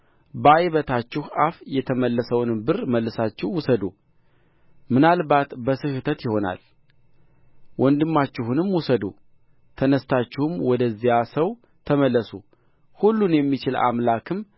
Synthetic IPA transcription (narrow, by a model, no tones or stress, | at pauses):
bəajβət̪ʰat͡ʃːɪhafjɛt̪ʰəməlːəsəwnɨmbɨɾməlːɨsat͡ʃːɪhwʊsəd̪u | mɨnalbat̪bəsɨhɨt̪ʰət̪jɪho̞na̰l | wʔɔnd̪ɨmːat͡ʃːɪhunɨmwusəd̪ṵ | t̪ʰənəst̪ʰat͡ʃːɪhɨmwɔd̪əzːijasəw | t̪ʰəməlːəsu | hulːunjɛmːit͡ʃɪla̰mlakʰɨm